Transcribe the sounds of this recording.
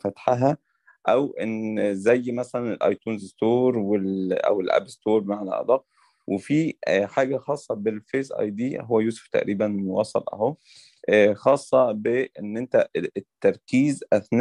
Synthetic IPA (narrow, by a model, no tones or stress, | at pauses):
fæt̪ħaɦæ | ʔæwʔenzæjːmæsælænelʔɑ̰jt̪uːnzst̪oːɾwelʔæ̰welʔæ̰best̪oːɾmaʕlæ̰ʔɑ̰d̪ˤɑːʔ | wʔefiħaːɡæxɑːsˤːɑbelfeːzʔɑ̰jd̪iːɦowːæjuːso̥ft̪æ̰ʔɾiːbænmowɑːsˤɑ̰lʔæ̰hoː | xɑːsˤːɑbeʔenːʔent̪æt̪ːɑɾˤkiːzʔæθn